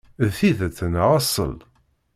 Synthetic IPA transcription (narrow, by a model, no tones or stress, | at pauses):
ðfiðəθənʁɑsˤə̰l